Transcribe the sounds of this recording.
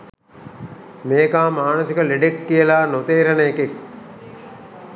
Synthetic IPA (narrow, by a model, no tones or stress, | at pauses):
meːkaːmaːnəsikəleɖekːijəlaːnot̪eːɾənəekek̚